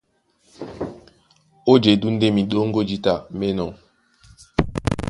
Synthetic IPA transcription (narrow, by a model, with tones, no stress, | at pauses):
o˦d͡ʒe˨du˦n̩˦de˦mi˨ɗo˦ŋ̩˦ɡo˦d͡ʒi˦ta˨me˦nɔ˨